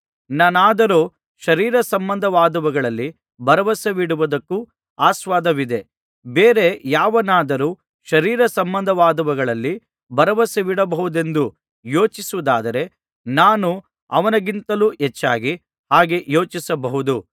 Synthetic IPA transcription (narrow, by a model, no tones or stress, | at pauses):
nɐnaːd̪ɐɾoː | ʃɐɾiːɾɐsɐmbɐnd̪ʱɐʋaːd̪ɐʋɐɡɐɭɐlːi | bɐɾɐʋɐsɐʋiɽuʋud̪ɐkːu | aːsʋaːd̪ɐʋid̪e̞ | beːɾe̞jaːʋɐnaːd̪ɐɾuː | ʃɐɾiːɾɐsɐmbɐnd̪ʱɐʋaːd̪ɐʋɐɡɐɭɐlːi | bɐɾɐʋɐsɐʋiɽɐbɐɦud̪e̞nd̪u | jo̞ːt͡ʃisuʋud̪aːd̪ɐɾe̞ | naːnu | ɐ̰ʋɐnɐɡint̪ɐluːɦet͡ʃːaːɡi | haːɡe̞jo̞ːt͡ʃisɐbɐɦud̪u